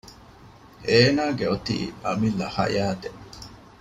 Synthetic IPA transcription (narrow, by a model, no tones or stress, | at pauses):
eːnaːɡeot̪ḭːɐmilːɐhɐ̰jaːt̪e